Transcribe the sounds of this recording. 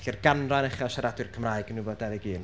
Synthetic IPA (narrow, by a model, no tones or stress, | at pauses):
ɬɛrɡanranɛχaʃaɾadwɨrkʰəmraːɨɡənuvɔdavɪɡiːn